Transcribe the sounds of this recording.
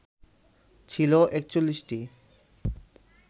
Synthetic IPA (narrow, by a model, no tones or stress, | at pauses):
t͡ɕʰiloʔek̚t͡ɕolːiʃʈi